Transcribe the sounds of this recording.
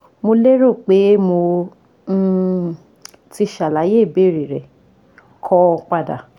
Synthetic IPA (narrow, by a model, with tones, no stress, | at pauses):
mo˧le˦ɾo˦˨k͡pe˨˦mõ˧˦ | ti˧ʃa˨la˨˦je˦˨be˦˨ɾi˨ɾɛ˨ | kʰɔ˧k͡pa˧da̰˨